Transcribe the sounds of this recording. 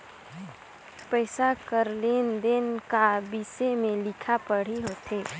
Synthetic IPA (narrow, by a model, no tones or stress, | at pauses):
pɛɪsakəɾleːnd̪enkabisemẽlɪkʰapəɽ̤iɦoːt̪ʰeː